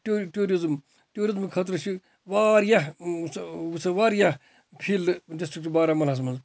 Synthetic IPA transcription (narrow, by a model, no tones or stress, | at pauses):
ʈuʈuːɾizm | ʈjuːɾizmkʰɐt̪ɾɐʃʰi | ʋaːɾjɐɦsusɐʋaːɾjɐɦ | pʰilɖisʈɾikʈbaːɾamɐlɦɐs̬mɐnz